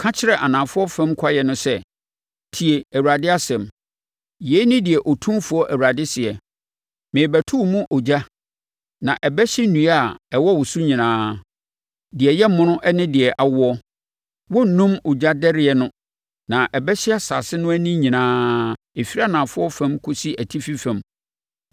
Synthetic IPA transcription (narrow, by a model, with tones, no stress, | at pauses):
kʰã˦t͡ɕʰɪ˦ɾɛ˦˨ʔa˨nã˨fʊ˦ɔ˦fɛ̃˦mkʷʰa˦jɛ˨nʊ̃˦sɛ˦ | tʰi˨e˨æ˨wu˨ɾa˨dɪ˦a˦sɛ̃˨m | je˨˦nɪ̃˦dɪ˨ɛ˨ʔɔ˨tʰũ˦fʊ˨˦ɔ˦ʔæ˨wa˨dɪ˦sɪ˨ɛ˨ | mɪ̃˨bæ˨tʰu˦˨mũ˦ʔo˨d͡ʑa˦ | nã˨ʔɛ˨bɛ˦ɕɪ˦nũ˨˦a˨ɛ˨wɔ˦wʊ˨su˦ɲĩ˨nãː˦ | dɪ˨ɛ˨jɛ˦mʊ̃˦nʊ̃˦ʔɛ˦nɪ̃˦dɪ˨ɛ˨ʔa˨wʊ˦ɔ˦ | wɔ˦n̩˨nũ˦mʊ˨d͡ʑa˦dɛ˦ɾɪ˨ɛ˨nʊ̃˦ | nã˨ʔɛ˨bɛ˦ɕɪ˦a˦sa̰˨sɪ˦nʊ̃˦æ˦nĩ˦ɲĩ˨nãː˦ | e˨fi˦ɾa˦nã˨fʊ˦ɔ˦fɛ̃˦mkʰʊ˦si˦ʔæ˨tʰi˦fi˦fɛ̃˨m